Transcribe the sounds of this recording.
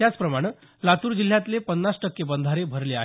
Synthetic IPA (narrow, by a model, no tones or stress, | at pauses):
jat͡spɾəmaɽ̃ə | lat̪uːɾd͡ʑil̤jat̪lepənːasʈəkːebənd̪ʱaɾebʱəɾlea̰ɦ